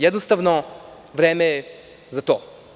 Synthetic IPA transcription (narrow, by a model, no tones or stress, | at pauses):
jɛd̪nost̪avno | vɾɛmɛ | zɐt̪ɔ